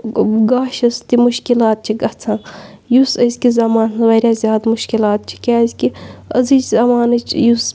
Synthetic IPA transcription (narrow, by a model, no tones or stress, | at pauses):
ɡaːʃɐst̪imuʃkilaːt̪̚t͡ʃʰiɡɐt͡sʰãːjusɐzʲkizɐmaːnsɐʋɐːɾʲaːzʲjaːd̪muʃkilaːt̪̚t͡ʃʰi̥kʲaːzʲkiɐ̰zɨt͡ʃzɐmaːnɨt͡ʃʰjus